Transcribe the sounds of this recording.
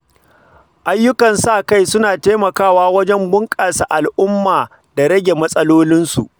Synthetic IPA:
ʔa˦jːʊ˦kɐ˨nsaː˦˨ka˦jsʊ˦naː˨teː˦mɐ˨kaː˦˨waː˦wɐ˦d͡ʒɛ˦mbʊ˦ŋkʼaː˨sa˨ʔa˨lʔʊ˦mːaː˨ | da˨ɾɐ˦ɡʲe˨mɐ˦sʼɐ˦loː˦lɪ˦nsu˨ʔ

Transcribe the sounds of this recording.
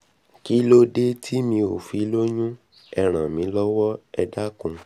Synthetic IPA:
ki˦lo˦de˦tʰi˦mĩ˧o˨fi˨˦lo˦ɲũ˦ | ɛ˧ɾ̃ã˨mĩ˧˦lɔ˦wɔ˦ɛ˧da˦kũ˧

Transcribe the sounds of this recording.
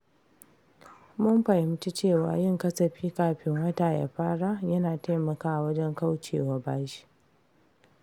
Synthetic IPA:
mʊ˦mɸɐ˨jɪ˨m˦t͡ʃi˦t͡ʃeː˦˨wa̰ː˨jɪ˦ŋkɐ˦sɐ˨ɸiː˦kaː˨ɸɪ˦ŋwɐ˦ta˨ja̰˨ɸaː˦ɽa˦jɐ˦naː˨ta˦mɐ˨kaː˦˨wɐ˦d͡ʒɛ˦ŋka˦wt͡ʃḛː˨wa˨baː˦ʃi̥˦

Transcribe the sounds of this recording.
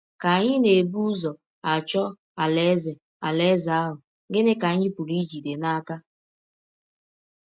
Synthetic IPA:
ka˨a˨ɲɪ˦ne˨bu˦zɔ˨ | a˨t͡ʃɔ˦ | a˨le˦ze˨ | a˨le˦za˨a˦ɦʊ˨ | ɡɪ˦nɪ˦ka˨˦ɲɪ˦pu˨ɾi˦d͡ʒi˨de˨na˦ka˦

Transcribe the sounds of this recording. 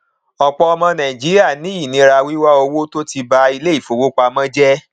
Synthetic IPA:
ɔ˨k͡pɔ˧ɔ˧mɔ̃˧nã˨i˨d͡ʒi˨˦ɾi˦a˦˨nĩ˨˦i˦˨nĩ˧˦ɾa˧wi˦wa˦o˧wo˦to˦ti˧ba˧i˧le˦i˦˨fo˨wo˦k͡pa˧mã˦d͡ʒɛ˦

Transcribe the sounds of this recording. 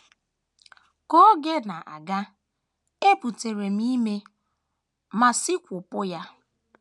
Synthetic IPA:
ko˦ɡe˦na˨ʔa̰˨ɡa˦ | e˦pu˨te˨ɾe˨m̩i˦me˦ | ma˨si˦kʷʊ˨pʊ˦ja˦

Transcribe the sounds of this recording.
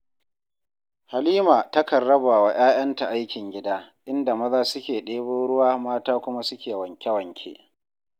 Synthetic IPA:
ha˨liː˦maː˨tɐ˦kɐ˨rːɐ˦baː˨wa˨j̰aː˦j̰ɐ˦nta˨ʔa˦jkʲɪ˨ŋɡʲɪ˦daː˦ʔɪ˦nda˨mɐ˦zaː˦sʊ˦kʲeː˨ɗeː˦boː˦ɽʊ˦waː˦maː˦taː˦kʷʊ˦ma˦sʊ˦kʲeː˨wɐ˨ŋkʲɛ˦wɐ˨ŋkʲʰḛ˦ʔ

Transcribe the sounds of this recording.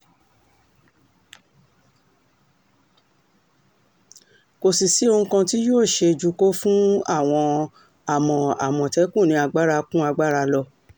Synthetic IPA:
ko˨si˨si˨˦o˧ŋ̩̃˦kã˧ti˦joː˦˨ʃe˧d͡ʒu˨˧ko˦fũ˦a˦˨w̃ɔ̃˧ | a˦˨mɔ̃˧a̰˨mɔ̃˨tɛ˨˦kũ˦˨nĩ˧˦a˧ɡ͡ba˦ɾa˧kũ˦a˧ɡ͡ba˦ɾa˧lɔ˦˧˨

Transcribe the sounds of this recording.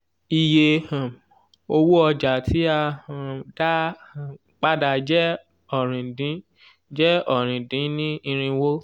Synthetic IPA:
i˨je˧˨ | o˧wu˦ɔ˧d͡ʒa˨tʰi˨˦a˧˨da˦˨ | k͡pa˦da˧˨d͡ʒɛ˦ | ɔ˨ɾ̃ĩ˨dĩ˨˦ | d͡ʒɛ˦ɔ˦˨ɾ̃ĩ˨dĩ˨˦nĩ˦i˧ɾ̃ĩ˧wo˦

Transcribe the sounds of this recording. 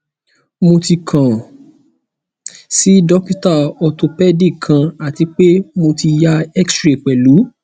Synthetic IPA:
mo˧ti˧kʰã˨ | si˦dɔ˦ki˦ta˦˨ɔ˧to˧pɛ˦di˦˨kʰã˧a˨ti˧k͡pe˦mo˧ti˧ja˦ɛ˦kstɾe˨k͡pɛ˨lu˨˦

